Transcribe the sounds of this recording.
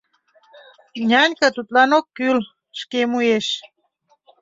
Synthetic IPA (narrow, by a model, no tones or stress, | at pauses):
ɲʲanʲkət̪ut̪lanokːyl | ʃkemujeʃ